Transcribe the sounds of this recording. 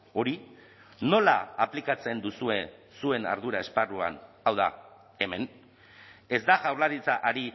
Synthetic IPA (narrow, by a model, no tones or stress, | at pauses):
o̞ɾi | no̞la̰ːplikat͡se̞nd̪usue̞sue̞na̰ɾð̞uɾae̞sparua̰n | awða̰ | e̞me̞n | e̞zd̪aʝawrlaɾit͡saʔaɾi